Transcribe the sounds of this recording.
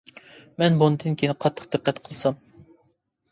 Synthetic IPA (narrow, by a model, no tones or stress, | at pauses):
mɛnbonɨd̪ɨnkʲeijnɪqʰɑt̪ʰːə̥q̚d̪ɪqːɛt̪qʰəlˠsɑm